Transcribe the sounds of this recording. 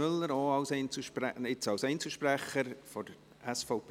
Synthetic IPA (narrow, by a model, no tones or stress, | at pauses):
ʏlːəɾoːɑʊsɛɪnt͡suʃpɾæɪt͡sɑwsɛɪnt͡səʃpɾæχəɾfɔd | æsfɔʊp